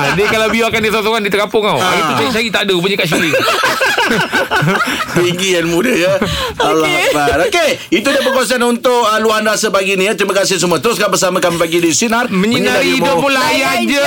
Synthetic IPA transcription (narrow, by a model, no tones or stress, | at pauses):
diəkalawbiaakandisasoŋandit̪əkapʊŋawait̪ut͡ʃaɾit͡ʃaɾit̪adəpuɲəkaʔsiɾi | t̪iŋɡijanmũdəjəalɦak̚bat̪okeit̪udiəpəkuas̬anunt̪ʊkəluanrasəpaɡinĩt̪ɾimãkasɪhs̬əmuãt̪əɾʊskabəsamãkamipaɡidisinarmə̃ɲmiɲanaiimdəmulajand͡ʒə